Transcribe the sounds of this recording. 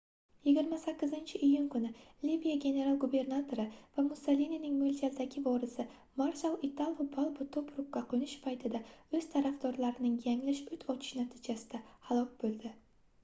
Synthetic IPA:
jɪɡʲɪɾmasakʲːɪzɪnt͡ʃʰɪʔijʊŋkʊnɪlivijaɡʲe̞ne̞ɾalˠɡube̞ɾnat̪ʰoɾɪv̥amʊsalininɪŋmelʲt͡ʃʰazd̪aɡʲɪvɒɾɪsɪ | maɾsalˠɪt̪ʰalˠvʊbalˠbʊt̪ʰʊpɾʊpkːaqʰʊnɪʃpʰajt̪ʰɪd̪aɵz̥t̪ʰaɾafd̪ɒɾlaɾɪnɪŋjaŋlɪʃʊt̪ʰɒt͡ʃʰɪ̥ʃnat̪ʰɪd͡ʒasɪd̪ahalˠɒk̚ʲbolˠd̪ɪ

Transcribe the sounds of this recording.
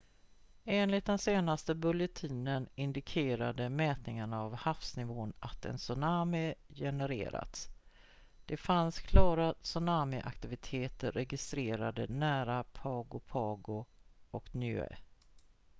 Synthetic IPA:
eːnlɪt̪̚d̪ɛnseːnast̪əbɵljɛt̪ʰiːnənɪnd̪ɪkʰeːɾad̪əmɛːt̪nɪŋanaːvhafsnɪvoːnat̪ɛ̰nsɵnaːmɪjɛnəɾḛːɾa̰t̪s | d̪̥ɛfanskʰlɑːɾasɵnaːmɪʔa̰kt̪ɪvɪt̪ʰeːt̪əɾːɛɡɪst̪ɾeːɾa̰d̪ənæːɾapʰɑːɡʊpʰɑːɡʊɔknjʏḛ

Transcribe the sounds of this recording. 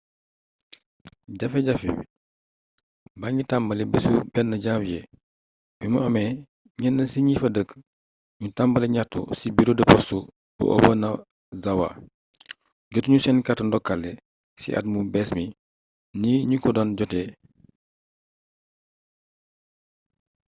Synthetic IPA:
ɟɐfɛɟɐfḭ | baɲitambɐlɛbisubɛnːɐɟabjɛ | bimɐʔɔmɛ | ɲɛnːɐsiɲifɐdək | ɲutambɐlɛɲatːṵsibiɾodɐpɔstu | b̥ṵʔɔ̰bɐnɐ | zɐwa̰ | ɡɟɔtuɲusɛnkatndɔkːalːɛ | sḭʔɐ̰t̚mubɛːsmi | niːɲukɔdɔnɟɔtɛ

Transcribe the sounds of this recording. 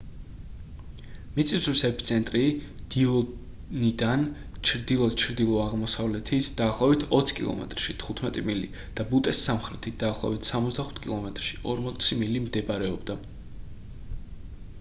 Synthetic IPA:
mit̪sʼiswisɛpʰi̥t̪sʰɛnt̪ʼɾid̪̥iɔ | nid̪an | t͡ʃʰɾd̪ilˠɔt͡ʃʰɾd̪ilˠɔaʁmɔsavlɛt̪ʰit̪ʰd̪̥aːχlˠɔβit̪ʰɔt̪sʰkʼḭlˠɔ̰mɛ̰t̪ʼɾʃit̪ʰχut̪ʰmɛt̪ʼimilḭ | d̪̥abut̪ʼɛsːamχɾɛt̪ʰit̪̚d̪̥aːχlˠɔ̰vbit̪ʰsamɔt̪zd̪aχu̥t̪ʰkʼilˠɔmɛt̪ʼɾʃiʔɔɾmɔt̪sʰimilimd̪ɛbaɾɛɔbd̪a

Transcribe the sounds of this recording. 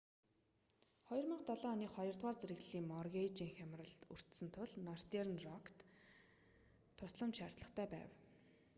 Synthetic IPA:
χɔjɞ̆rmə̆qt̪ɔɮɔːniːχɔjɞ̆rt̪waːrt͡seɾɘɣɮiːŋmɔrɣʲet͡ɕiːŋxʲæmrə̆ɮur̥t̪sɵ̆nt̪ʰʊɮnɔr̥t̪ernrɔkʰt̪ | ʊsɮə̆mt͡ɕʃar̥t̪ɮə̆χt̪ʰæːpæ̰ːw

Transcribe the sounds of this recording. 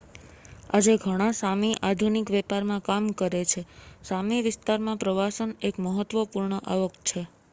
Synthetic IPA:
ad͡ʒeɡʱəɽ̃ãsamiʔad̪ʱunikʋɛpaɾmãkamkəɾet͡ʃʰesamiʋɪst̪aɾmãpɾəʋasənekməɦət̪ʋəpuɾɳəʔaʋəkt͡ʃʰe

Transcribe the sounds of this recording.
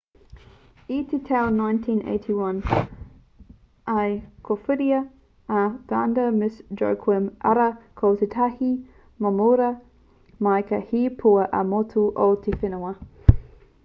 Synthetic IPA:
it̪ʰetʰɛwnãjntʰĩnʔḛɪtʰiwɐn | ɐjkʰofʉɾiɐ | ɐtandɐmɪsd͡ʒo̰wkʰwɪmʔɐ̰ɾɐkʰowt̪et̪ʰɐhi | mɐmuːɾɐ | mɐjkɐhiːpʰuɐʔɐmotʰuʔot̪ʰefɪnoɐ

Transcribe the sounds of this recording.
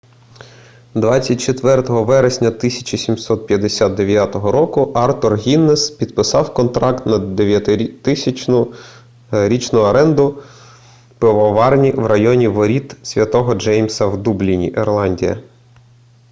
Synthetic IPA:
d̪ʋɑt͡sʲːɐt̚ʲt͡ʃet̪ʋɛrt̪ɔɦɔʋɛɾesʲnʲɐt̪ɪsʲɐ̥t͡ʃisʲimsɔt̪̚pʲjɐd̪esʲat̪̚d̪eʋʲjat̪ɔɦɔɾɔkʊʔɑrt̪ɔrɦʲinːespʲid̪pɪsɑwkɔnt̪ɾɑkt̪nɐd̪eʋjɐt̪t̪ʊ | ɾʲit͡ʃnʊɐɾɛnd̪ʊ | peʋɔʋɑrnʲiwrɐjɔnʲiʋɔɾʲit̪sʲʋʲjɐt̪ɔɦɔd͡ʒɛjmʲsɐwd̪ublʲinʲḭʔɛrlˠɑnʲdʲijɐ̰

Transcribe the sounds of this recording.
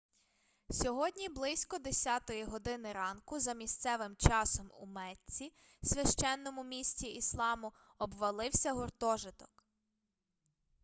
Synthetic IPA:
sʲɔɦɔdʲnʲiblˠɪsʲkɔd̪esʲɑt̪ɔjiɦɔd̪ɪnɪɾɑnkʊzɐmʲisʲt̪sɛʋɪmt͡ʃɑsɔmṵmɛtːʲi | sʲʋʲɐʃt͡ʃɛnːɔmʊmʲisʲtʲiislˠɑmʊ | ɔbʋɐlˠɪwsʲɐɦɔrt̪ɔʒɪt̪ɔ̥k

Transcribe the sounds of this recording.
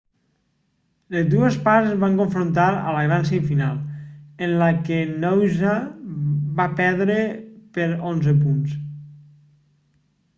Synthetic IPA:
lezd̪uespaɾzβaŋkoɱfɾont̪aɾə̰laβans̬eifinalˠenlakenowza | βapɛɾðɾepeɾonzəp̬uns

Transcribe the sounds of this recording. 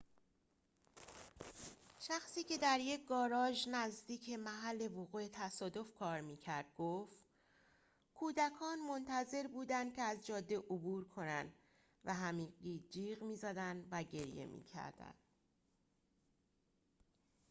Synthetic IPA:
ʃæxsiːcʰe̞d̪æɾje̞c̚ɡɒːɾɒːʒnæzd̪iːcʰe̞mæɦælːe̞voɣuːet̪ʰæsɒːd̪o̞fkʰɒːɾmiːcʰæɾd̪̥̚ɡoːft̪ | kʰuːd̪ækʰɒːnmo̞nt̪ʰæze̞ɾbuːd̪ænd̪̥̚cʰe̞æzd͡ʒɒːd̪ːe̞ʔobuːɾkʰo̞nænd̪ | væɦæmiːɣiːd͡ʒiːɣmiːzæd̪ænd̪væɟe̞ɾje̞̰mʔḭːcʰæ̰ɾd̪æ̰nd̪̥

